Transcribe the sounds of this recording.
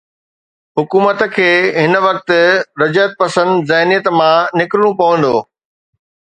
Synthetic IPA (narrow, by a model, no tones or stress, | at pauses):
ɦʊkuːmət̪̆kʰeːɦɪn̆ʋɐk̚t̪̆ɾɐd͡ʑət̪̚pɐsə̃nd̪zɐɦnijət̪mãnɪkɾɽ̃ũpɐʋə̃nd̪oː